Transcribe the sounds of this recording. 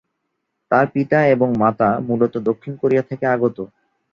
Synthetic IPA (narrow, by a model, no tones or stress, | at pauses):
t̪aɾpit̪aeboŋmat̪amulot̪od̪okʰːinkoɾijat̪ʰekeaɡot̪o